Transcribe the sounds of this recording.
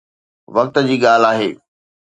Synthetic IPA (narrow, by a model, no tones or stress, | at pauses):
ʋɐk̚t̪d͡ʑiːɠaːl̤aːɦeː